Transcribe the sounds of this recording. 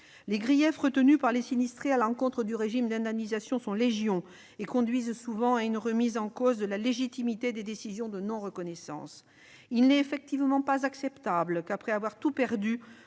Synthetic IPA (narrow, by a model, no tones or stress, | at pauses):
leɡʁijɛfʁət̪ənypaʁlesinist̪χealɑ̃kɔ̃t̪χəd̪yʁeʒimd̪ɛ̃d̪amnizasjɔ̃sɔ̃leʒjɔ̃ | ekɔ̃d̪ɥizsuvɑ̃aynʁəmizɑ̃kozd̪əlaleʒit̪imit̪ed̪ed̪esizjɔ̃d̪ənɔ̃ʁəkɔnɛsɑ̰̃s | ilnɛefɛk̚t̪ivmɑ̃pazaksɛpt̪ablkapχɛavwaʁt̪upɛʁd̪y